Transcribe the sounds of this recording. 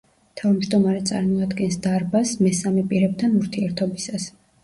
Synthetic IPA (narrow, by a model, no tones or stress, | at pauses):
t̪ʰavmd͡ʒd̪ɔmaɾɛt̪sʼa̰ɾmɔad̪ɡɛnsd̪aɾbasmɛsamɛpʼiɾɛb̚t̪ʰanuɾt̪ʰiɛɾt̪ʰɔbisas